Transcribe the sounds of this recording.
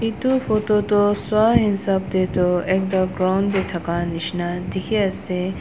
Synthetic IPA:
it̪ufoːt̪ot̪oswaːɦɪnsab̚d̪et̪oeːk̚d̪ɐɡɾawnd̪et̪ʰɐkanɪʃnad̪ikʰeɐse

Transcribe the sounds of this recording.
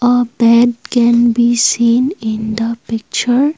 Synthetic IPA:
əbɛɖkɛ̃nbisĩːnɪ̃nd̪əpɪk̚t͡ʃəɾ

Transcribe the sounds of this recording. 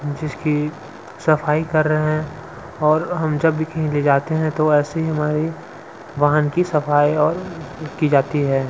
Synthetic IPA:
d͡ʒɪski | sɐfaːikɐɾːɐɦɛ̃ | ɔːɾɦɐmd͡ʒɐbːikɐɦĩled͡ʒaːt̪eɦɛ̃t̪oɛːseɦiɦɐmaːɾi | ʋaːɦənkisɐfaːiɔːɾkid͡ʒaːt̪iɦɛː

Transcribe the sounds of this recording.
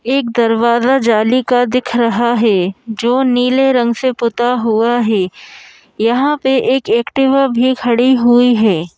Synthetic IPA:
eːkd̪ɐɾʋaːzad͡ʒaːlikad̪ɪkʰɾɐɦaɦɛːd͡ʒoːniːleɾɐ̃ŋɡsepʊt̪aɦuaɦɛː | jɐɦãpeʔeːkɛːkʈɪʋabʱikʰɐɽiɦuiɦɛː

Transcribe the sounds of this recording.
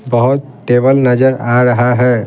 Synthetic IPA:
bɐɦʊt̪̚ʈeːbəlnɐd͡ʒəɾaɾɐɦaɦɛː

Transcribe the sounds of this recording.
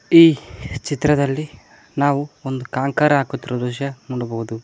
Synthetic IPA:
iːt͡ʃit̪ɾɐd̪ɐlːi | naːʋuond̪ukaːŋkaːɾɐaːkut̪ːiɾud̪uːʃɐmuːɽubɐɦud̪u

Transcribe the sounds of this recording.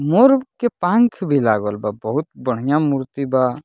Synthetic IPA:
moɾbkepãŋkʰbʱilaːɡəlbabəɦut̪̚bəɽ̤ijãmuɾt̪iba

